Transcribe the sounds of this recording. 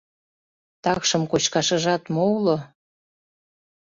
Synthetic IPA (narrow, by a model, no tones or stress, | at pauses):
t̪ɑkʃəmkot͡ɕkɑʃəʒɑt̪molo